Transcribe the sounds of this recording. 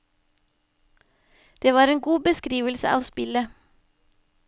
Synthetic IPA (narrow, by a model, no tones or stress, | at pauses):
d̪̥eːʋɑːɾeːŋɡuːbəskɾiːʋəlsə̰ʔɑ̰ːʋspɪlə